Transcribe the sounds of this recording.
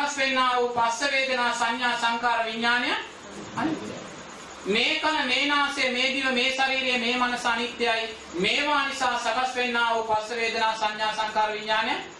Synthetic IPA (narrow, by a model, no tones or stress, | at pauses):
ɐsʋenːaːʋoːpɐsɐʋeːd̪ʱɐnaːsɐɲjaːsɐŋkaːɾɐʋiɲːaːnɐja | ɐnit̪ja̰ | meːkɐnɐmeːnaːseɐmeːd̪iʋɐmeːsɐɾiːɾejɐmeːmɐnɐsɐnit̪jaːji | meːʋaːnisaːsɐɡɐsʋenːaːʋoːpɐsɐʋeːd̪ɐnaːsɐɲjaːsɐŋkaːɾɐʋiɲːaːnɐja